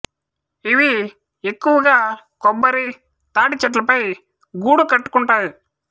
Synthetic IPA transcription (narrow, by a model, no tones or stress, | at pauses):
iʋi | e̞kːuʋɐɡaː | kɔbːɐɾi | t̪aːʈit͡ʃɐʈ̬lɐpɐj | ɡuːɽukɐʈːu̥kuɳʈaːji